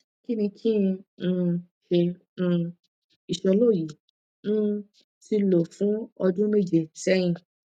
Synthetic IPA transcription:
ki˦nĩ˧kʰĩ˦˧ | ʃẽ˧ | i˨ʃɔ˧lo˦˨ji˨˦ | n̩˦ | ti˧lo˨fũ˨˦ɔ˧dũ˦me˦˨d͡ʒe˨tɛ˦j̃ĩ˧

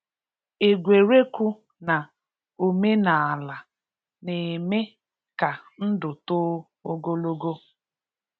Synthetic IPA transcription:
e˨ɡʷe˨ɾe˦kʷu˦ | na˨ | o˨me˦na˨a˨la˨ | ne˨me˦ | ka˨n̩˦dʊ˨tʊː˦ | o˦ɡo˦lo˦ɡo˦

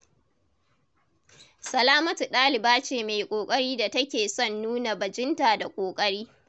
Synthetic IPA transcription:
sɐ˨laː˦mɐ˦tu˨ɗaː˦lɪ˨baː˦t͡ʃeː˨meː˨kʷʼoː˨kʼɐ˦ɽiː˦da˨tɐ˦kʲeː˨sɔ˦˨nːuː˦na˨bɐ˨d͡ʒɪ˦nta˨da˨kʷʼoː˨kʼɐ˦ɽiː˦

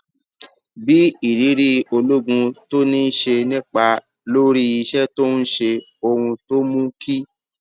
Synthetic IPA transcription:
bi˦i˦˨ɾi˨˦ɾi˦o˧lo˦ɡũ˧to˦nĩ˦ʃe˧nĩ˦k͡pa˧ | lo˦ɾi˦i˧ʃɛ˦to˦n̩˦ʃe˧ | o˧hũ˧to˦mũ˦ki˦

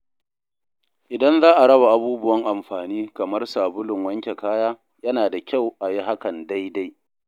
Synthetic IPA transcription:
ʔɪ˨dɐ˦nzaː˦ʔa˨ɽɐ˦ba˨ʔa˨˦buː˦bʊ˦wɐ˦ŋʔa˨mɸaː˨niː˦kɐ˨mɐ˦rsaː˨bʊ˦lʊ˨ŋwɐ˦ŋkʲe˨kaː˦jaː˦ | jɐ˦naː˨da˨kʲa˦˨wʔa˨ji˦ɦa˦kɐ˨nda˦jda˦j

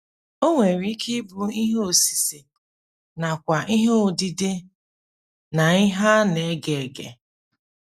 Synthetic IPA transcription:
o˦ŋʷe˨ɾi˦ki˦bʊ˨i˦ɦo˨si̥˨si˨ | na˨kʷa˨ʔi˦ɦdi˦de˦ | na˨i˦ɦa˦ne˨˦ɡe˨ɡḛ˨

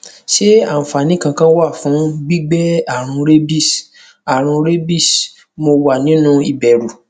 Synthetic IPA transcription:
ʃe˦ã˦˨fa˨nĩ˦kã˧kã˦wa˦˨fũ˨˦ɡ͡bi˦ɡ͡bɛ˦a˨ɾ̃ũ˧ɾe˦bi˦˨s | a˨ɾ̃ũ˧ɾe˦bi˦˨s | mo˧wa˦˨nĩ˨˦nũ˦i˦˨bɛ˨ɾu˨

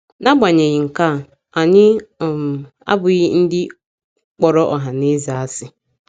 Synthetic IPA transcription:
na˦ɡ͡ba˨ɲe˨ɣɪ˨ŋ̩˨ka˦˨ | a˨ɲɪ˦˨ | a̰˦bʊ˨ɣɪ˦n̩˦dɪ˦ | k͡pɔ˨ɾɔ˦ʔɔ˨ɦa˨ne˦za˨a˦sɪ˦

